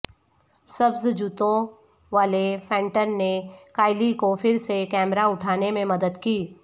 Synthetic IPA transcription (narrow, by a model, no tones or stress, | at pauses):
sɐbzd͡ʒʊt̪õ | ʋaːlefɛ̃ːɳʈənːekaːɪlikofɪɾsekɛːmɾaʊʈʰaːnemẽmɐd̪əd̪kiː